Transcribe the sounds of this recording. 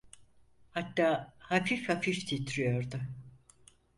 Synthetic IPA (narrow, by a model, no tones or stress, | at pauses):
hat̪ːaːhafifhafift̪ʰit̪ʰɾyjoɾd̪ʊ